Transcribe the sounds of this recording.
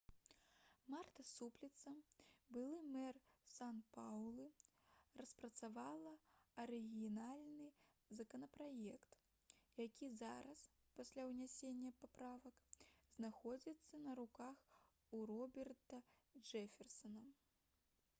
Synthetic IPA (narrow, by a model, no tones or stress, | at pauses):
mart̪ɐsuplʲit̪sɐbɨlˠɨmɛrsanpawlˠɨ | rɐspɾɐt̪savalˠɐɐɾɨɣʲinalʲnɨ | zɐkɐnɐpɾajɛkt̪ | jakʲizaɾɐs | pasʲlʲawnʲasʲenʲːɐpapɾavɐkznaxɔd͡zʲit̪sːɐnɐɾukax | uɾɔbʲɛrt̪ɐ | d͡ʐɛfʲɛrsɐnɐ